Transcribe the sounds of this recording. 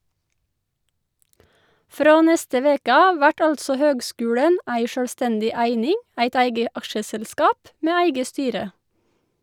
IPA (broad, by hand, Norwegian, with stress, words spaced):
ˈfɾoː ˈnɛstə ˈʋeːkə ˈɑːʋ ˈʋæʈ ˈɑltsɔ ˈhøːɡˌskʉːɽən ˈæɪ ˈʃøːlˌstɛndɪ ˈæɪnɪŋ ˈæɪt ˈæɪɡə ˈɑkʃəsɛlˌskɑːp ˈmeː ˈæɪɡə ˈstyːɾə